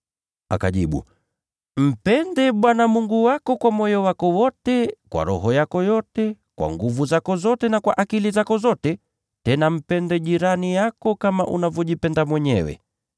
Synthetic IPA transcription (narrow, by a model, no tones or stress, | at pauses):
a̰kaʄiɓṵ | m̩pɛndɛɓwanamuŋɡuwakɔkwamɔjɔwakɔwɔtɛkwa̰ɾɔ̰ɦɔjakɔjɔtɛ | kwa̰ŋɡuvuzakɔzɔtɛnakwaʔakilizakɔzɔtɛ | tɛnam̩pɛndɛʄiɾanijakɔkama̰ʔunavjɔʄipɛndamwɛɲɛ̰wɛ̰